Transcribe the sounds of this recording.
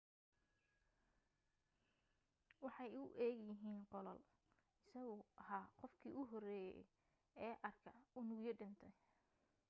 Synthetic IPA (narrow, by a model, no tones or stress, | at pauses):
wɑħɑjʊʔɛːɣjɪɦiːnqɔlɔ̰l | ɪsɐɣʊʔɐɦaːqɔfkʰiːʔʊɦɔrɛːjɛ̰ | ɛːʔɐrkʰɐʊnʊjɛɖɪnt̪ʰɛj